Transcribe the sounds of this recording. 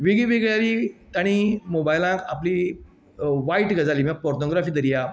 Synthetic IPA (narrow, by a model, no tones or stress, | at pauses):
ʋiɡiʋeɡɭjaliːt̪aɽ̃imobajlãkapli | ʋaiʈɡəd͡zaliːmapɔɾtɔɡɾafiːd̪əɾija